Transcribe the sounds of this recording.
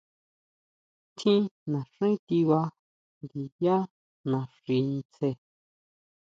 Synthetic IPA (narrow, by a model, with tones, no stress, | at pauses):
t̪ʰĩ˦nã˨ʂĩ˦t̪i˧wa˧ | nɡi˨ja˦ | nã˨ʂi˧n˧t͡se˧